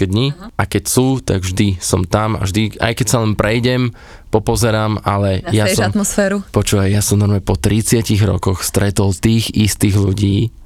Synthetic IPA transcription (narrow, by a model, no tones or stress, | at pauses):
ɛd̪ɲiʔakɛcsuːt̪a̰ɡvʒd̪isɔmt̪ama̰ʒd̪ia̰jkɛcsalɛnpɾɛjɟɛm | pɔpɔzɛɾaːmʔalɛjasɔamt̪mɔsfɛːɾupɔt͡ʃuːʋajjasɔmnɔɾmɛpɔt̪ɾit͡sɪaciɣɾɔ̰kɔxst̪ɾɛt̪ɔlt̪iːɣist̪iːɣluɟiː